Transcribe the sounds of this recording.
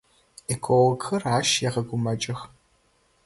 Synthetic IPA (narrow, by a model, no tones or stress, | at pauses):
ikʷʰʼɔwɐkʰxɐraːʃjɛʁɐɡʷʊmɐt͡ʃʼɪx